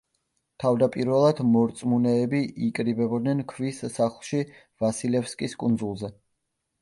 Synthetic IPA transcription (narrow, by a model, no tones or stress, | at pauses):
t̪ʰavd̪apʼiɾvɛlˠad̪mɔɾt̪sʼmunɛːbiʔikʼɾibɛbɔd̪nɛnkʰvisːaχlˠʃi | vasilɛfskʼiskʼund̪zulˠzɛ